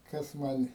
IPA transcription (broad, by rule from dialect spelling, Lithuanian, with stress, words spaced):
ˈkɐs ˈmɐnʲ